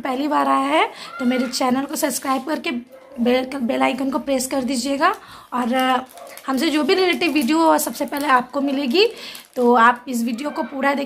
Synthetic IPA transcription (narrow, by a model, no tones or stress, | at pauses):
pɛɦlibaːɾaːjaɦɛt̪omeːɾet͡ʃɛːnəlkosɐbskɾaːɪb̚kɐɾke | bekbeːlaːɪkənkopɾeːskɐɾd̪iːd͡ʒieːɡaːɔːɾhɐmsed͡ʒoːbʱiɾeleʈɪʋʋiːɖijoɛsɐbsepɛɦleaːp̚komɪleːɡit̪oːaːp̚ɪs̬ʋiːɖijokopuːɾad̪eː